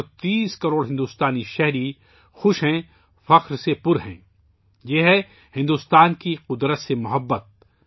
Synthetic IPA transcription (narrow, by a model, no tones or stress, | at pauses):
t̪iːskɐɾoːɽɦɪ̃nd̪uːst̪aːniʃɛɦɾi | xʊʃɦɛ̃ | fɐqɾsepʊɾɦɛ̰̃ː | jeɦɛ | hɪ̃nd̪ust̪aːnkiqʊd̪ɾət̪semʊɦəbːət̪̚